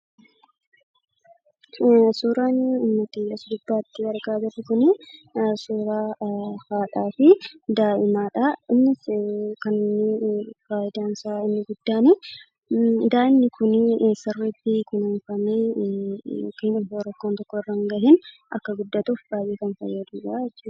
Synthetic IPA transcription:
suːɾaːnɪnːɔt̪ɪɐsʊd̪ʊbːaːt̪ːɪwɐɾɡaːd̪ɐrɪkʊnɪsoːɾaːhaːᶑaːfɪd̪aːʔɪmaːᶑɐɪnːɪskɐnːnːɪbaːjɪd̪aːnsaːɪnːɪɡʊd̪ːaːni | d̪aːʔɪnːɪkʰʊnsɐrːɛt̪ːikʊnʊnfɐmeː | kɪnɐoːɾɐkːoːnt̪ɔkːɔɪrːɐŋɡɐɦɪn | ʔɐ̰kːɐɡʊd̪ːɐt̪uːfbaːjiːkɐnfɐ̰jːɐd̪uːᶑaɛt͡ʃː

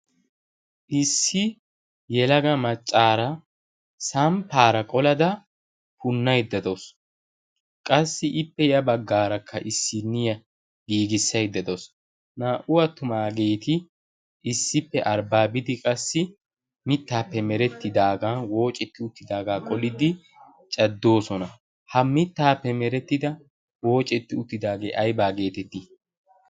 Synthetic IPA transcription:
ʔɪsːɪ | jɛlɐɡɐmɐt͡ʃʼːaːɾɐ | sɐmpaːɾɐkʼɔlɐd̪ɐ | pʊnːɐjd̪ːɐd̪os | kʼɐsːɪʔɪpːɛjɐbɐɡːaːɾɐkʰːɐ̰ʔɪsːɪnːɪjɐ | ɡiːɡɪsːɐjd̪ːɐd̪os | naːʔʊwɐt̪ːʊmaːɡeːt̪ɪ | ɪsːɪpːɛʔɐɾbaːbɪd̪ɪkʼɐsːɪ | mɪt̪ːaːpːɛmɛɾɛt̪ːɪd̪aːɡaːwo̞ːt͡ʃʼɛt̪ːɪʊt̪ːɪd̪aːɡaːkʼɔlɪd̪ɪ | t͡ʃʼɐd̪ːo̞ːsɔnɐ | hɐmɪt̪ːaːpːɛmɛɾɛt̪ːɪd̪ɐ | wo̞ːt͡ʃʼɛt̪ːɪʊt̪ːɪd̪aːɡḛːʔɐjbaːɡe̞ːt̪ɛt̪ːɪ

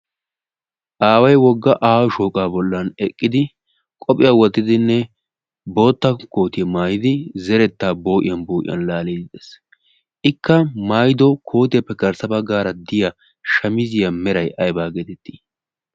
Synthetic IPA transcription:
ʔaːwɐjwɔɡːɐʔaːwɔʃoːkʼaːbɔlːɐnɛkʼːɪd̪ɪ | kʼɔpʼɪjawɔt̪ːɪd̪ɪnːɛ | bo̞ːt̪ːɐko̞ːt̪ɪjɛmaːjɪd̪ɪzɛɾɛt̪ːaːbo̞ːʔɪjɐnboːʔɪ̰jɐ̰nlaːleːd̪ɪd̪ɛs | ʔɪkːɐmaːjd̪ɔkʰo̞ːt̪ɪjɐpːɛkɐɾsɐbɐɡaːɾɐd̪ɪjɐ | ʃɐmɪzɪjɐmɛɾɐjɐjbaːɡeːt̪ɛt̪ːi̥ː

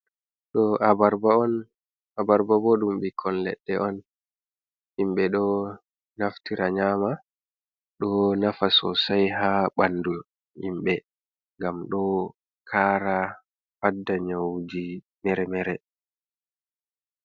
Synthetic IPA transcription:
ɗɔabaɾban | abaɾbabɔɗumɓikʰɔnlɛ̰ɗːɛʔɔn | ʔimɓɛɗɔ | naftiɾaɲaːma | ɗɔnafasɔ̰sajɦaɓandul | imɓɛ | ŋɡamɗɔ | kʰaːɾa | fadːaɲawd͡ʒi | mɛɾɛmɛɾɛ

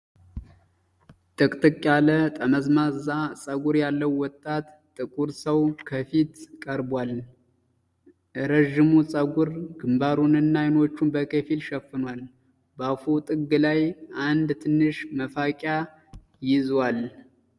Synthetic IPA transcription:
t̪ʼɨkʼt̪ʼɨkʼːjalət̪ʼəməzmazasʼəɡuɾjalːəwːɔt̪ʼːat̪ʼːɨkʼuɾsəwkʰəfit̪kʼəɾbwal | ɾəʒːɪmusʼəɡuɾɡɨmbaɾunɨnːajno̞t͡ʃːunbəkʰefilʃɛfːɨnwal | bəafut̪ʼɨɡːɨlajʔand̪t̪ʰɨnːɨʃməfakʼja | jɪzwal

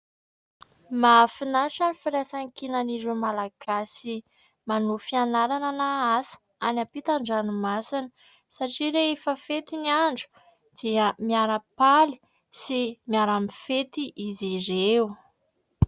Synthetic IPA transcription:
mafinaʃanifiɾasaŋkinaniɾumalaɡ̥asi | manufianaɾananaasə̥ | anapit̪aɳɖ͡ʐanumasinə | saʈ͡ʂiɾeefəfet̪iniaɳɖ͡ʐu̥ | d̪̥iəmiaɾəpali̥ | simiaɾamifet̪iʔiziɾew

